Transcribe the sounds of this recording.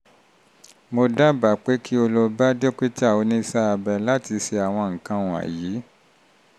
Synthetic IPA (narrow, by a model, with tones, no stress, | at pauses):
mo˧da˦ba˨k͡pe˨˦kʰi˦o˧lo˧ba˦do˦ke˦ta˦˨wo˨˧nĩ˦sa˦a˧bɛ˧la˦ti˧se˧a˨w̃ɔ̃˧ŋ̩˨kã˧ũ˨a̰˨ji˨˦